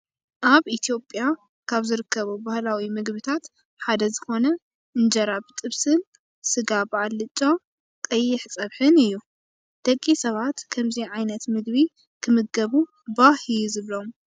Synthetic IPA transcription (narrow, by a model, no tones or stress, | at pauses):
ʔaβʔit̪ʰijo̞pʼja | kʰaβzɨɾɨkːɐβubahlawimɨɡbɨt̪ʰat̪ | ħad̪ɐzɨxo̞nɐ | ɨnd͡ʒɐɾaβt̪ʼɨβsɨn | sɨɡabaʕlːɨt͡ʃʼːo | kʼɐjːɪħsʼɐβħɨnɨjːu | d̪̥ɐkʼːisɐβat̪kʰɐmziʕajnɐt̪mɨɡβi | kʰɨmɨɡ̚ɡɐβu | bahɨjuzɨβlo̞m